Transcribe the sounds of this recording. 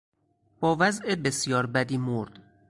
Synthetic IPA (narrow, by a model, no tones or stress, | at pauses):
b̥ɒːvæzʔe̞besjɒːɾbæd̪iːmoɾd̪̥